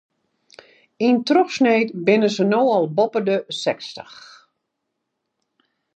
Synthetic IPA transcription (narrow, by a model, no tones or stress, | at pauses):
intrɔxsneːtbɪnəzənoːɔlˠbɔpədəsɛkstəx